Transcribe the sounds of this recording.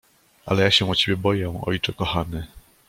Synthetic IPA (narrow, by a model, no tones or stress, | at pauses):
ʔa̰lɛjaɕɛ̃ɔt͡ɕebʲjɛbɔjɛ̃ɔ̰jt͡ʂɛkɔxanɘ